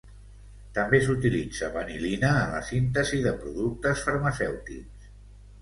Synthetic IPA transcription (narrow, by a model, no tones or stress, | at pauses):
t̪əmbes̬ut̪ilid͡zəβənilinəːlə̰sint̪əziðəpɾuðuk̚t̪əsfəɾməsɛwt̪ḭks